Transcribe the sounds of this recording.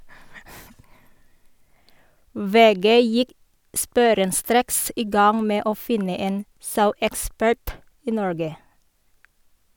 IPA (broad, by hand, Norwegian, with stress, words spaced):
ˈʋeːˌɡeː ˈjɪk ˈspuːɾənˌstɾeːks ˈiː ˈɡɑŋ ˈmeː ˈoː ˈfɪnə ˈeːn ˈsɑʉɛkˌspæɹt ˈiː ˈnɔɹɡə